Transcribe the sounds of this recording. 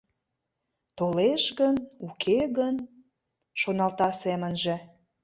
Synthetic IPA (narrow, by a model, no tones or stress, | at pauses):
t̪oleʃɣənukʰeɣən | ʃonɑlt̪ɑsemənʒĕ